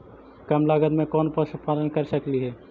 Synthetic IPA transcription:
kəmlaːɡəd̪mẽkɔːnpəspaːlənkəɾsəkliɦɛː

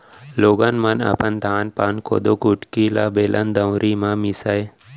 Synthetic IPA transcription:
loːɡanmɐna̰pənd̪ʱaːnpaːnko̰ːd̪okuʈkilabeːlʔənd̪ə̃wɾʔimãmisaj

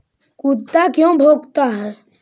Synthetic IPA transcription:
kut̪ːakjõbʱoːɡt̪aɦɛː

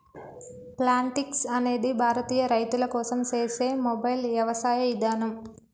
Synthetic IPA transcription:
plaːɳʈiksɐne̞ːd̪ibʱaːɾɐt̪iːjɐɾɐjt̪ulɐkɔːsɐmt͡ʃe̞ːse̞ːmobɐjlʋjɐʋɐsaːjɐid̪aːnɐm

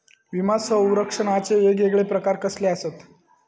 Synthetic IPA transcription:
ʋimasə̃w̃ɾəkʂəɳat͡seʋeɡeɡɭepɾəkaɾkəsleaset̪

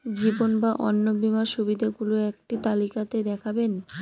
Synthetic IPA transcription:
d͡ʑibonbaʔɔnːobimaʃubid̪ʱeɡuloek̚ʈit̪alikat̪ed̪ɛkʰaben

